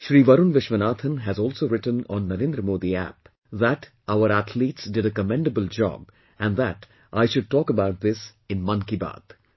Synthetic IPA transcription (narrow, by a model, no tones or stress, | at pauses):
ʃɾiːʋʌɾunʋɪʃʋənaːt̪ʰə̃nɦæzɔːlsoːɾɪʈə̃nɔ̰̃nːɐɾẽːnd̪ɾəmoːd̪iæ̰p | ðæʈ | aʊəɾæt̪ʰliːʈsɖɪɖəkəmɛ̃ɳɖəbəld͡ʒɔ̰ːb̚ | æ̃nɖðæʈ | ʔaɪʃʊɖ̚ʈɔːkəbaʊʈ̚ðɪsɪ̃nmʌ̃nkiba̰ːd̪̥